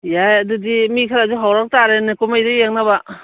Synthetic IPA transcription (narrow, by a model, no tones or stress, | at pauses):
jajadudimikʰaɾazuɦawɾak̚taɾenɯkumajɾɯjaŋnaba